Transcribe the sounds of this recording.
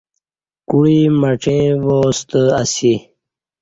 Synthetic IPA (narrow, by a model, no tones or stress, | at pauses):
kuɻiməʈ͡ʂẽːʋoːst̪əasi